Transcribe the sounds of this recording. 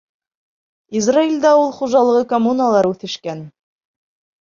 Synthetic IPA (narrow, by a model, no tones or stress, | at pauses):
izrailʲd̪æulˠχuʒɑlˠɤ̆ʁɤkomunalˠɑɾʉθɘ̆ʃkæn